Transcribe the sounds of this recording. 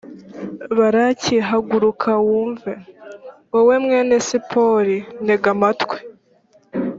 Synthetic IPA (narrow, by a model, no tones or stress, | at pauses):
βaɾaciɦaɡuɾukʰawuːɱvewowe̞mŋenesipʰoɾineɡamatkwe